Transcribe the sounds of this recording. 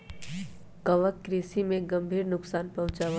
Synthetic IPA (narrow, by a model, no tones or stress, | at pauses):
kəʋəkːɾisimẽɡɐ̃mbʱiːɾnʊksaːnpɐɦʊ̃t͡ʃaːʋə